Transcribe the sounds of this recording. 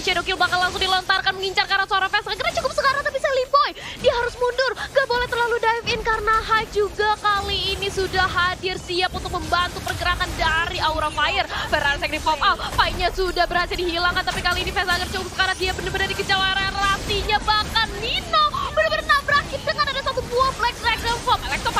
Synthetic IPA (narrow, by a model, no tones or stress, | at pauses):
t͡ʃadokilbakanlaŋsʊŋdilɔnt̪arkanməŋiɲt͡ʃarkaɾasoaɾaŋfɛsaɡəɾat͡ʃukʊp̚səkaɾaŋt̪apisɛlimbojdiaɦaɾʊsmundʊrŋɡaʔbolɛht̪ərlaludaɛfɪnkaɾənaɦajd͡ʒuɡakaliːnisudaɦadɪrsiapunt̪ʊk̚məmbant̪upərɡəɾakandaɾiʔauɾafaɪrfɛɾasɛk̚ɾifɔpalpaiɲasudahbəɾhat̪idiɦilaŋkant̪apikaliːnifɛsaɡərt͡ʃukʊp̚sə̥kaɾaŋdiabənəbənərdikət͡ʃalaɾeɾasiɲabakanlinobənəbəɾənabəɾakɪt̪̚dəŋanadasat̪ubuaflɛk̚sɾɛɡdəfɔpɛlɛk̚t̪ɔf